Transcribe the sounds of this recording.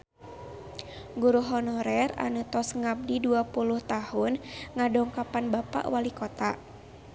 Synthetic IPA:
ɡuɾuɦɔnɔɾɛra̰nut̪ɔsŋap̚diduapuluht̪ahʊnŋadɔŋkapanbapa̰ʔwalikɔt̪a

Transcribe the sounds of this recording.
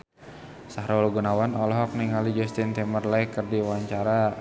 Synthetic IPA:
saɦɾaulɡunawanɔlɔɦɔk̚niŋalid͡ʒɔst̪int̪ɛmərlajkərdiwaɲt͡ʃaɾa

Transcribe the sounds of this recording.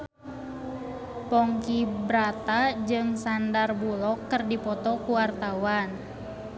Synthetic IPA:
pɔŋkibɾat̪ad͡ʒɨŋsandarbulɔkːərdipɔt̪ɔkuwart̪awan

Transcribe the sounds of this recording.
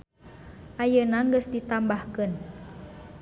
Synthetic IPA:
ʔajənaŋɡəsdit̪ambahkən

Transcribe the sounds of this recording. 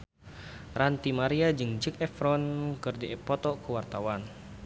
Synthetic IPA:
rant̪imaɾiad͡ʒɨŋd͡ʒɨkɛfɾɔnkɨrdiʔɛpɔt̪ɔkəwart̪awan

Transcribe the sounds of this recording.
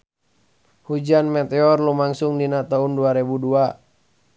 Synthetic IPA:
hud͡ʒanmɛt̪ɛɔrlumaŋsʊŋdinat̪aunduaɾebudua

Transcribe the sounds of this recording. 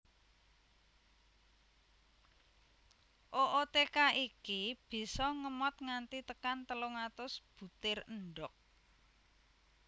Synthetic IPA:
ʔoʔot̪ekaʔikib̥i̤sɔŋəmɔt̪̚ŋant̪it̪əkant̪əloŋat̪ʊsb̥ṳt̪ɪrəɳɖɔk̚

